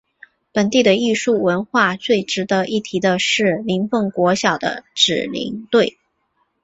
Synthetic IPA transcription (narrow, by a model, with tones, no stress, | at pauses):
pə˨˩nt̪i˥˩d̪ə˩i˥˧ʂu˥˩wə˧˥nxwa˥˧t͡swe˥˩ɪʈ͡ʂɻ̩˧˥d̪ə˧ʔi˥˩t̪ʰi˧˥d̪ə˧ʂɻ̩˥˩li˧˥ŋfɤ˥˩ŋkwɔ˧˥ɕjɑ˨˩ʊd̪ə̰˦ʈ͡ʂɻ̩˨˩lḭ˧˥ŋt̪we˥˩ɪ